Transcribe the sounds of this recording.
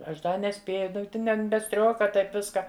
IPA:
ˈɐʃ ˈdɐ nʲɛˈsʲpʲeːjʊ ˈtʲɪn ɛn bʲɛ ˈsʲtʲrʲoːkɐ ˈtɐɪp ˈʋʲɪskɐ

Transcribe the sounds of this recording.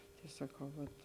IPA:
tɐɪ sɐˈkɐʊ ʋɐt

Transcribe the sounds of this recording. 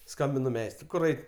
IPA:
ˈskɐmʲbʲɪnʊ ˈmʲɛɪstrʊɪ ˈkʊr ˈɐɪtʲ

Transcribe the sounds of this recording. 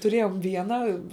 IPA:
tʊˈrʲeːjoːm ˈʋʲiɛnɐ

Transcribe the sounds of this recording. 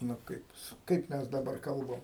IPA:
nʊ ˈkɐɪp jɪs ˈkɐɪp mʲɛs dɐˈbɐr ˈkɐlˠbɐm

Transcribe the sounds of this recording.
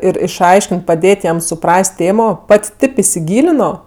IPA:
ɪr ɪʃˈɐɪʃʲkʲɪnʲtʲ pɐˈdʲeːtʲ jɛm sʊˈprɐsʲtʲ ˈtʲeːmoː ˈpɐtʲ ˈtʲeːp ɪsʲɪˈɡʲiːlʲɪnoː

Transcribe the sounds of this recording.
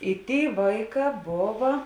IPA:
ɪ ˈtʲeːɪ ˈʋɐɪˌkɑː ˈboːʋɐ

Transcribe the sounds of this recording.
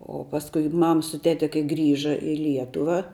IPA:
oː pɐsˈkʊɪ ˈmɐm sʊ ˈtʲæːtʲɛ kɐɪ ˈɡrʲiːʒɐ ɪ ˈlʲiɛtʊʋɐ

